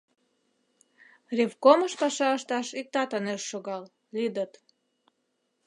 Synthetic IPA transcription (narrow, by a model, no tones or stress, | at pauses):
revkoməʃpɑʃɑəʃt̪ɑʃik̚t̪ɑt̪əneʃːoɣɑl | lid̪ət̪